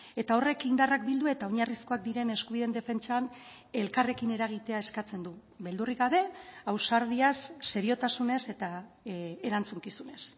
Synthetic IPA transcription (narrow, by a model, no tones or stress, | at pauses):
e̞t̪ao̞re̞kind̪arak̚bild̪ue̞t̪aoɲarisko̞ak̚d̪iɾe̞ne̞skuβ̞iðe̞nd̪e̞fe̞nt͡ʃan | e̞lkare̞kine̞ɾaɣ̞it̪e̞ae̞skat͡se̞nd̪u | βe̞ld̪uriɣaβe̞awsaɾð̞iasːe̞ɾio̞t̪asune̞se̞t̪a | eɾant͡suŋkisune̞s